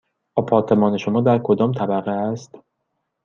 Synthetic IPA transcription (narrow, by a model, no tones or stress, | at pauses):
ʔɒpʰɒːɾt̪ʰe̞mɒːne̞ʃo̞mɒːd̪æɾkʰo̞d̪ɒːmt̪ʰæbæɣeæst̪